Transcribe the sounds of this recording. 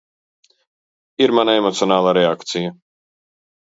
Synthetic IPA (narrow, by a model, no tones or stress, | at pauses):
iɾmanaemɔt̪sʲionaːlˠaɾeakt̪sija